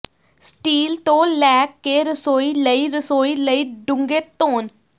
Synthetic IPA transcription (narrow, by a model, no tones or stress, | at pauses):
sʈiːlt̪õːlɛːkːeːɾəsoːiːləiːɾəsoːiːləiːɖʊŋɡeːt̪oːn